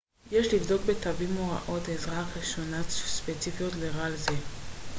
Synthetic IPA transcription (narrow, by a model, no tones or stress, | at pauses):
jeʃlivd̪o̞k̚be̞t̪avimoʁa̰ʔo̞t̪ezʁaχiʃonaspet͡sifijo̞tleʁalze